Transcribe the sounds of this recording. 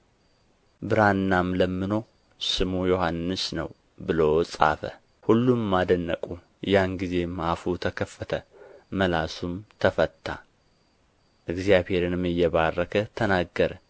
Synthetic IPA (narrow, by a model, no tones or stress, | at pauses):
bɨɾanːamləmːɨno̞ | sɨmujo̞hanːɨsnə̰w | bɨlo̞sʼa̰fə̰ | hulːummːad̪ənːəkʼu | janɡize̞mafut̪ʰəkʰəfːət̪ʰəməlasumt̪ʰəfət̪ʰːa̰ | ʔɨɡzijaβhe̞ɾɨnɨmɨjːɛβarːəkʰət̪ʰənaɡːəɾə